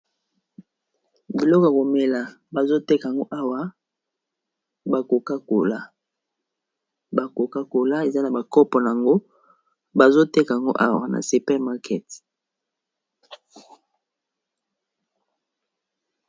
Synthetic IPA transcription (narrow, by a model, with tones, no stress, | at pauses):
bi˨lɔ˦kja˨ko˨mɛ˨la˨ | ba˨zo˦te˦ka˨ŋɡo˦ʔa˦wa˦ | ba˨ko˨ka˦ko˨la˦ | ba˨ko˨ka˦ko˨la˦e˨za˦na˨ba˨kɔ˦pɔ˨na˨a˨ŋɡo˦ | ba˨zo˦te˦ka˨a˨ŋɡo̰˦ʔa˦wa̰˨na̰˨si˨pɛ˦ʁma˦ʁkʰɛ˦t